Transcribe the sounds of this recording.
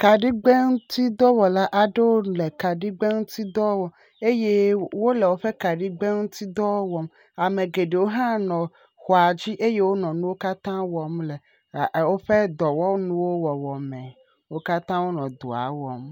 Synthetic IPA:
ka˨ɖi˦ɡ͡be˦ŋu˦t̪i˦d̪ɔ˦wɔ˨la˦ʔa˨ɖe˦wo˦le˨ka˨ɖi˦ɡ͡be˦ŋũ˦t̪i˦d̪ɔ˦wɔ˨ | e˦je˦wo˦lɛ˨wo˦ɸɛ˦ka˨ɖi˦ɡ͡be˦ŋũ˦t̪i˦d̪ɔ˦wɔ˦m | a˨mẽ˨ɡe˨ɖe˨wo˦ɦã˦nɔ̃˨ | xɔ˨a˨d͡ʑi˦ʔe˦je˦wo˦nɔ̃˨nũ˦wo˦ka˦t̪ã˦wɔ˨mlɛ˨ | wo˦ɸɛ˦d̪ɔ˨wɔ˦nũ˦wo˦wɔ˨wɔ˨mɛ̃˨ | wo˦ka˦t̪ã˦wo˦nɔ̃˨d̪u˨a̰˨wɔ˨m

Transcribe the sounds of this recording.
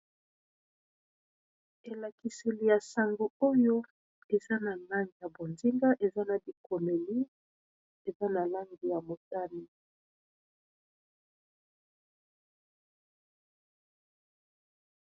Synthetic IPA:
e˨la˨ki˨se˨li˨ja˨sa˨ŋɡo˨o˦jo˦ | e˨za˦na˨na˦ŋɡi˨ja˨bo˨nzi˦ŋɡa˦ʔe˨za˦na˨bi˨ko˨me˨li˦ | e˨za˦na˨la˦ŋɡi˨ja˨mo˨ta˦ni˦

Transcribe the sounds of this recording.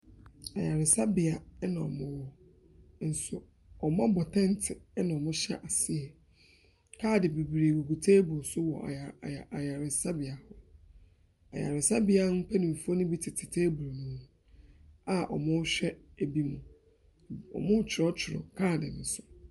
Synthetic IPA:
a˨ja˨ɾɪ˨sa˦bɪ˨a˨˦nã˨ɔ̰˨mʊ̃˦wɔ˦ | n̩˨sʊ˦ | ɔ˨m˦ã˦bɔ˨tʰɛ̃˦n˦tʰɪ˨˦nã˨ɔ˨mʊ̃˦ɕɛ̰˦ʔa˨sɪ˦ɛ˨ | kʰaː˦˨dɪ˨bi˨bɾe˨wo˨ɡu˨tʰeː˦bu˨sʊ˦wɔ̰˨a̰˨a˨ja˨ɾɪ˨sa˦bɪ˨a˨hʊ˦ | a̰˨ja̰˨ɾɪ˨sa˦bɪ˨a˦m̩˦pʰɛ˦nɪ̃˨m̩˨fu˦ɔ˦nʊ̃˦bi˦tʰɪ˨tʰɪ˨tʰeː˦bu˨ɾo˨nũ˦m̃˦ | a˦ʔɔ̰˨mʊ̃˦ɕᶣɛ˦e˨bi˦mʊ̃˨ | ɔ̰˨mʊ̃˦t͡ɕʰɪ˨ɾɔ˦t͡ɕʰɪ˨ɾɔ̰˨kʰaː˦˨dɪ˨nʊ̃˨˦sʊ̥˨

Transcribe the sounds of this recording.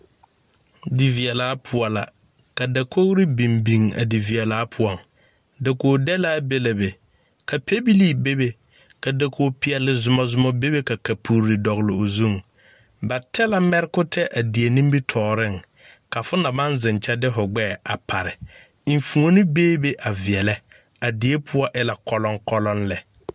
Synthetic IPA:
di˨vi˨ɛ˨laː˨˦pʰʊ˨ɔ˨la̰˨ | ka˨da˨ko˦ɣɾɪ˦bi˨mbi˨ŋa̰˨di˨vi˨ɛ˨laː˨˦pʰʊ˦ɔ˨ŋ | da˨koː˨dɛ˦laː˦be˦la˨be˨ | ka˨pʰe˦bi˦li˦be˦be˨ | ka˨da˨kʰoː˨pi˨ɛ˨lɪ˨zʊ˨mɔ˨zʊ˨mɔ˨be˦be˦ka˨ka˨pʰu˨ɾɪ˨dɔ˨ɣlɪ˨o˨zu˦˨ŋ | ba˨tʰɛ˦la˦mɛ˦ɾɪ˦kʊ˦tɛ˦ʔa˨di˨e˨nĩ˦m˦bi˦tʰɔː˨ɾɪ˦˨ŋ | ka˨fʊ˦na˨ma˦nzɪ˨nt͡ʃɛ˦dɪ˦fʊ˨ɡ͡bɛː˦˨a˨pʰa˨ɾɪ˨ | i˨ɱ˨fu˨o˦nɪ˦beː˦be˦ʔa˨vi˨ɛ˨lɛ˦ | a˨di˨e˦pʰʊ˦ɔ˦ʔɪ˦la˨kɔ˦lɔ˦ŋkɔ˦lɔ˦nlɛ˨

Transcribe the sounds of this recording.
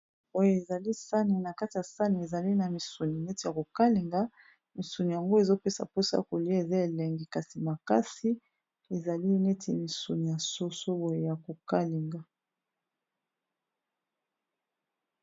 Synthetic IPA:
o˦jo˨e˨za˨li˦sa˦ni˨na˨ka˦ti˨ja˨sa˦ni˨e˨za˨li˦na˨mi˨su˨ni˨ne˦ti˨ja˨ko˨ka˦li˨ŋɡa˦ | mi˨su˨ni˨ja˨ŋɡo˦e˨zo˦pe˦sa̰˨po˦sa̰˦˨ko˨li˦a˦e˨za˦e˨le˨ŋɡi˨ka˨si˨ma˨ka˦si˦ | e˨za˨li˦ne˦tʰi˦mi˨su˨ni˨ja˨so˦so˦o˦jo˨ja˨ko˨ka˦li˨ŋɡa˦

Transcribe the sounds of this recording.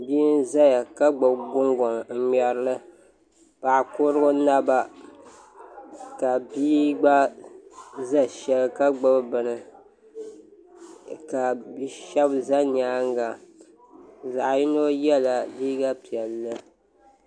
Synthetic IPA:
bi˦n˦za˦ja˨ka˦ɡ͡bɨ˨bɡʊ˦ŋɡɔ˨m˨m̩˨mɛ˨ɾɨ˦lɨ˦ | pa˨ʔkʊ˦ɾɨ˦ɡʊ˦na˦ba˦ | ka˨biː˦ɡ͡ba˦ | za˦ʃɛ˨lka˦ɡ͡bɨ˦bbɨ˨nɨ˨ | ka˨bi˦ʃɛ˦bza˦ɲ˨aː˦ŋ˦ɡa˨ | za˨ʔjɪ˦no˦jɛ˦la˨biː˦ɡa˦pi˨ɛ˨lːɨ˦

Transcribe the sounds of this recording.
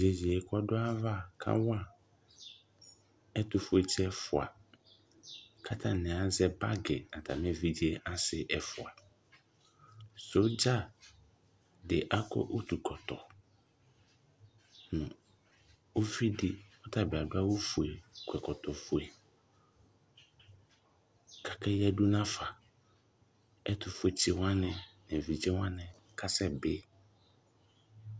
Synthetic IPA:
d͡ʑe˨d͡ʑi˨ɛ˨kʰɔ˦dʊ˦a˦va˦˨kʰã̰˦wa˨ | ɛ˦tʊ˨fʊ˦ɛ˦t͡ɕʰɛ˦ɛ˦fʊ˨a̰˨ | kʰa˦tʰã˨nɪ̃˨a˨zɛ˦ba˦ɡɪ˨a˨tʰa̰˨mɛ̃˦vi˦d͡ʑi˦e˦a˦sɪ˦ʔɛ˨fʊ˨a˨ | so˨˦d͡ʑa˦˨ | dɪ˨ʔa˦kʰɔ̰˦ʔo˦tʰu˨kʰɔ˨tʰɔ̰˨ | nʊ̃˨ | o˦fi˦di˦ɔ˦tʰa˨bɪ˨a˨dʊ˦a˦wo˦fu˨e˨kʰʷɛ˨kʰɔ˨tʰɔ˨fʊ˨e˨ | kʰa˨kʰɛ˦jɛ˦du˦nã˦fa˨ | ɛ˦tʰʊ˨fʊ˦ɛ˨t͡ɕʰi˨wã˦nɛ̃˨nɛ̃˨vi˨d͡ʑɛ̃˦wã˦nɛ̃˨ | kʰa˦sɛ˦bɪ˦

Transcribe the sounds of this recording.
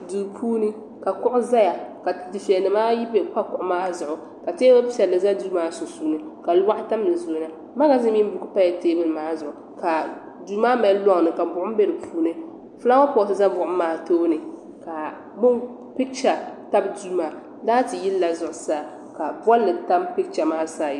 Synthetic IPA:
duː˨pʰuː˦nɨ˦ | ka˨kʊ˦ʔʊ˦za˦ja˨ka˨di˨fɛ˨nɨ˨maː˦ji˦pe˨ka˦kʊ˨ʔʊ˨˦maː˦zʊ˨ʔʊ˨ | ka˨teː˦bɨ˦sɛ˨lːɨ˨za˦duː˦maː˦sʊ˨suː˦nɨ˨ka˨lwa˦ʔɪ˦ta˦m˦nɨ˨zo˨˦na˨ | ma˦ɡa˦zi˦mi˦n˦bʊ˨kɨ˦pa˦ja˨teː˦bɨ˦lmaː˦zʊ˨ʊ˨ | ka˨ | duː˦maː˦mɛ˨˦lɔ˦ŋ˨nɨ˨ka˨bʊ˨ʔʊ˦m˦be˦lɨ˨pʰuː˦nɨ˦ | fɨ˦la˦wa˦pɔ˨sɨ˨za˦bʊ˨ʔʊ˦maː˨toː˦nɨ˨ | ka˨ | bʊ˦n | pɪ˦kt͡ʃa˨ta˦bduː˦maː˨ | laː˦ti˨ji˦lla˨zʊ˨ʔʊ˨saː˦˨ | ka˨ba˦lːɨ˨ta˦mpɪ˦kt͡ʃa˨maː˦saː˦˨ji˨˦

